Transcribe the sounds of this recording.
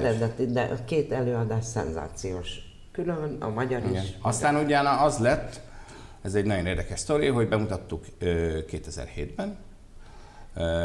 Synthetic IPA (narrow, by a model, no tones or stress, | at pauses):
ɛɾɛd̪ɛt̪id̪ɛʔɒkeːt̪ɛløːɒd̪aːʃsɛ̰nza̰ːt̪sijoːʃ | kylønɒ̰mɒɟɒɾiɡʃɒst̪aːnuɟaːnɒɒzlɛt̪ː | ɛzɛɟnɒɟjo̞neːrd̪ɛkɛʃst̪o̞ɾijɦo̞ɟbɛmut̪ɒt̪ːukøkːeːt̪ɛzɛ̰rheːd̪bɛn